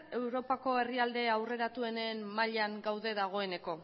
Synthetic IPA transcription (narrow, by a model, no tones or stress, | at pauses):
e̞wɾo̞pako̞e̞riald̪e̞awre̞ɾat̪ue̞ne̞ːmmaʎaŋɡawðe̞ðaɣ̞o̞e̞ne̞ko̞